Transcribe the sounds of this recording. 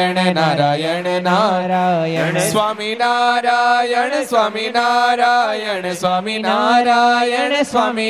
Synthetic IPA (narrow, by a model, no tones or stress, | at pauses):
eɳenaɾajeɳena | sʋaːminaɾaːjɐɳsʋaːminaɾajɐɳsʋaːminaɾajɐsʋaːmi